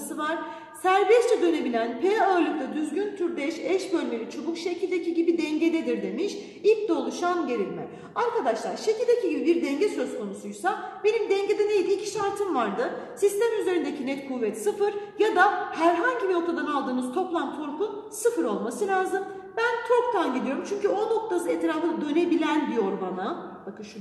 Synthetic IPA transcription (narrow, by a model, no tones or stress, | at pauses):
sɯvaɾ̥ | sæɾbɛst͡ʃʰɛd̪ø̞ne̞bilʲænpʰealʲˠɯk̚t̪ad̪yzɟynt̪ʰyɾd̪ɛʃɛʃɟø̞lʲme̞lʲit͡ʃʰo̞bukʃe̞cʰilʲd̪ecʰiɟibid̪ɛɲɟe̞d̪ed̪iɾd̪e̞miʃ | ilʲc̚d̪o̞lˠuʃanɟe̞ɾilʲmɛ | aɾkad̪aʃlˠaɾʃe̞cʰilʲd̪ecʰiɟibibiɾd̪ɛɲɟɛsø̞zkʰo̞nusujsabe̞nimd̪ɛɲɟe̞d̪ɛnejd̪icʰi̥ʃaɾt̪ʰɯmvaɾd̪ɯsist̪ɛmyze̞ɾind̪ecʰinɛt̪kʰuvːɛt̪sɯfɯɾjad̪ahæɾɦaɲɟimio̞kt̪ʰad̪analˠd̪ɯːnuzt̪ʰo̞plˠant̪ʰo̞ɾpun | sɯfɯɾo̞lˠmasɯlʲaːzɯm | bænt̪ʰoɾk̚t̪ʰanɟilʲijo̞ɾumt͡ʃʰyɲcyo̞no̞k̚t̪ʰasɯɛt̪ɾaːfɯd̪ø̞ne̞bilʲænbijo̞ɾbanabakɯʃu